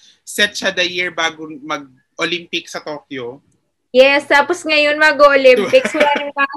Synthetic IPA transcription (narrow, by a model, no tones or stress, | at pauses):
sɛt̪̚t͡ʃɐd̪ɐjiɹbaːɡomɐɡ̚ | ʔolimpɪksɐt̪oːkjo | jɛst̪aposŋɐjonmɐɡoʔolɪmpɪkswɐlaːnɐŋba